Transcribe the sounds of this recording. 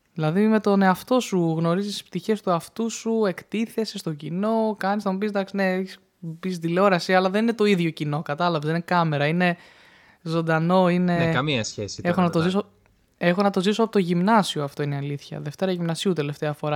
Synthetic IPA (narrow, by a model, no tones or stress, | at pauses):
ðilɐðime̞t̪o̞ne̞ɐft̪o̞suɣno̞ɾizisi̥spt̪içe̞st̪uɐft̪usue̞kt̪iθe̞sest̪o̞ɟino̞kɐnisnɐmupisd̪ɐksineeçis | pis̬d̪ilo̞ɾɐsiɐlɐðenine̞t̪o̞iðʝo̞cino̞kɐt̪ɐlɐvesðinekɐme̞ɾɐine̞ | zo̞nd̪ɐno̞ine̞ɐmiɐsçesexonɐt̪ozis̬o | e̞xo̞nɐt̪o̞zisoɐpot̪o̞ʝimnɐsioɐft̪o̞ineɐliθçɐ̰ðe̞ft̪e̞ɾɐʝimnɐsiut̪e̞left̪eɐfo̞ɾɐ